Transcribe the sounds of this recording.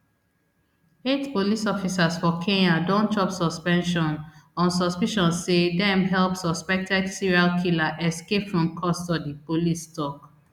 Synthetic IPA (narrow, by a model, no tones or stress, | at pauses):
etpolisɔfisasfɔkʰẽnadõnt͡ʃɔpsɔspɛ̃nʃɔ̃nɔ̃nsɔspiʃɔ̃nsːedɛ̃mɦɛlpsɔspɛk̚tʰɛdsiɹialkʰilaʔɛskepfɹɔ̃mkʰɔstɔdipolistɔk